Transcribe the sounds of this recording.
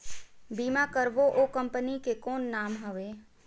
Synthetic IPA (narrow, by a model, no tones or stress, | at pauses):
biːmakəɾʋoʔokə̃mpənikekɔːnːaːmɦəʋeː